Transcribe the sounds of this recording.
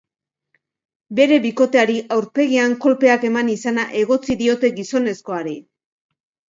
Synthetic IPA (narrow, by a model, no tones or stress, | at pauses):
be̞ɾe̞βiko̞t̪e̞aɾiʔawɾpe̞ɣiaŋko̞lpe̞ake̞manisanaʔe̞ɣo̞t͡siðio̞t̪e̞ɣiso̞ne̞sko̞aɾi